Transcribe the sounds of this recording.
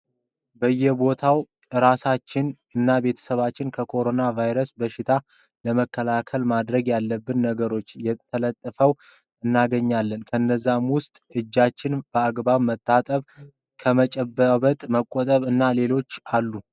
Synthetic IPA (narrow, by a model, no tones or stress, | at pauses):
bəjːɛbo̞t̪ʰaw | ɨɾasat͡ʃːɪn | ɨnːabe̞t̪ʰə̥səβat͡ʃːɪnkʰəkʰo̞ɾo̞navajɾəsbəʃɪt̪ʰa | ləməkːəlakʰəlmad̪ɾəɡjalːəbːɨnːəɡəɾo̞t͡ʃːjɛt̪ʰːələt̪ʼːəfəw | ɨnːaɡəɲːalːənkʰəɨnːəzːamwʊst̪ʼɨd͡ʒːat͡ʃːɪnb̥əaɡbaβmət̪ʼːat̪ʼəβ | kʰəmət͡ʃʼəbːəβət̪ʼməkʼːot̪ʼəβɨnːale̞lo̞t͡ʃːalːu